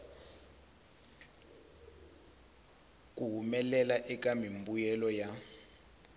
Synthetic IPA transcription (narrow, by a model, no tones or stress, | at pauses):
k̬ʼuɦumɛlɛlaʔɛk̬ʼamimbujɛlɔja